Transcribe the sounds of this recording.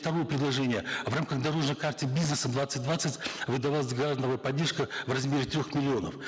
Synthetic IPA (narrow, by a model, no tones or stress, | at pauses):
t̪ɐɾo̞jəpɾʲɪd̪lˠɐʐɛnʲɪjəvramkəxd̪ɐɾo̞ʐnəjkart̪ʲɪbʲiznəsəd̪vat̪sɨt̚ʲd̪vat̪sɨtʲvɨd̪ɐvalˠəsʲɡɾad̪nəvəjpɐdʲːerʂkəvrɐzmʲeɾʲɪt̪ɾʲoxmʲɪlʲɪo̞nə̰f